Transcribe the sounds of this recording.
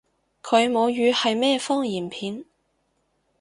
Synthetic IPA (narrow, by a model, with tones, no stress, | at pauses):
kʰɵ˨˧ɥmo˨˧wjyː˨˧hɐ˨jmɛː˥fɔː˥ŋjiː˨˩npʰiː˨˧n